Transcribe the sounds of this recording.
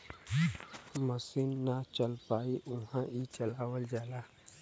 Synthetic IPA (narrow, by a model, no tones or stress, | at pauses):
məsinːat͡ʃəlpaːiʔʊɦãit͡ʃɐlaːwəld͡ʒaːlaː